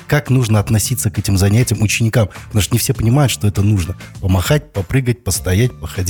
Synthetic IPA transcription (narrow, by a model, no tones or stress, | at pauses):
kaknuʐnəɐt̪nɐsʲit̪sːəkɛtʲɪmzɐnʲætʲɪjəmʊt͡ɕːɪnʲɪkampət̪ɐmuʂt̪nɪfsʲepənʲɪmajʊt̪ʂt̪o̞ɛt̪ənuʐnəpəmɐxatʲpɐpɾɨɡət̚ʲpəst̪ɐjætʲpəxɐdʲi